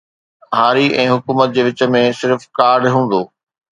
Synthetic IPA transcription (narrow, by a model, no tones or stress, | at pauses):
ɦaːɾiʔɛ̃ːɦʊkuːmət̪̚d͡ʑeːʋɪt͡ɕə̆mẽsɪɾfkaːɾɖɦũːn̆d̪oː